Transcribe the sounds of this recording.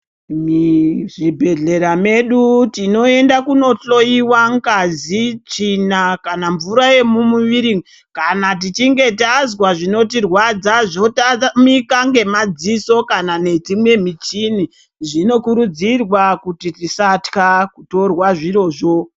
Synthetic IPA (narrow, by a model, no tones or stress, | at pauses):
miʐibʱe̞ɮe̞ɾame̞ɗutino̞e̞ndakuno̞ɬo̞iwaŋkazit͡ʂinakanaɱvuɾaje̞mumuʋiɾi | kanat̬it͡ʃiŋɡe̞tazwaʐino̞t̬irwad͡zaʐo̞tamikaŋɡe̞mad͡ziso̞kanane̞d͡zimwe̞mit͡ʃini | ʐino̞kuɾud͡zirwakutitisatkakuto̞rwaʐiɾo̞ʐo̞